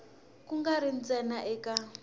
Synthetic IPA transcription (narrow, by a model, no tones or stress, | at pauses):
kuŋɡaɾind͡zɛnaʔɛka